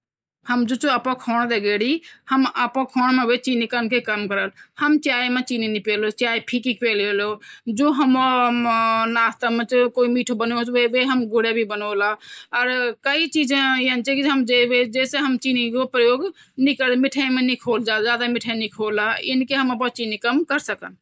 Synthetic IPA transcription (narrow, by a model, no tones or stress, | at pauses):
həmd͡ʒut͡ʃoəpɔ̃kʰɔːɽ̃d̪eɡeɽihəməpɔ̃kʰɔːɽ̃mẽbet͡ʃinikənkekəmkəɾəlhəmt͡ʃajmet͡ʃininipelot͡ʃajpʰikikpelelod͡ʒoɦəmɔ | naːst̪əmẽt͡ʃkoimiʈʰubənot̪eʋeɦəmɡuɽebʱibənolaɔːɾkəit͡ʃid͡ʒẽiənt͡ʃɛkiɦəmd͡ʒebed͡ʒeseɦəmt͡ʃinikopɾəjoɡ | nikəɾmiʈʰəjmenikʰoːld͡ʒad͡ʒad̪amiʈʰənikʰolaḭnkeɦəməp̬ɔ̃t͡ʃinikəmkəɾsəkən